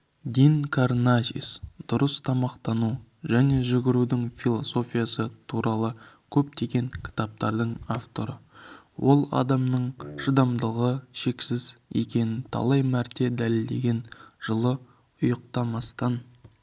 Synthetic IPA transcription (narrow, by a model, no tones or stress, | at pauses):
d̪ʲiŋkʰarnaʒḭsd̪̥ʊɾəst̪ʰɑmɑqt̪ɑnuʒæne̞ʒʏɡʲɪɾud̪ɪŋfʲilˠo̞so̞fʲijasət̪ʰuɾɑlˠəkʲʰɵp̚t̪ʰe̞ɡʲe̞ŋkʲʰɪ̥t̪ɑp̚t̪ɑɾd̪əɴaft̪o̞ɾə | wʔo̞lˠɑ̰d̪ɑmnəɴʃəd̪ɑmd̪əʁəʃe̞ksɪzje̞̰kʲe̞nɪnt̪ʰɑ̰lˠɑjmæɾt̪e̞d̪ælɪld̪e̞̰ɡʲe̞nʒ̥əlˠə | ʊjəqt̪ɑmɑst̪ɑn